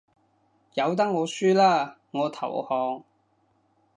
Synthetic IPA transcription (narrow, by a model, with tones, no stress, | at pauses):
jɐ˨˧wt̪̬ɐ˥ŋ̚ŋɔː˨˧syː˥laː˥ | ŋɔː˨˧t̪ʰɐ˨˩whɔː˨ŋ